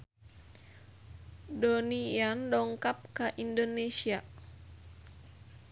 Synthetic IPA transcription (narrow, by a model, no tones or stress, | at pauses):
donijandɔŋkap̚kaʔindonesia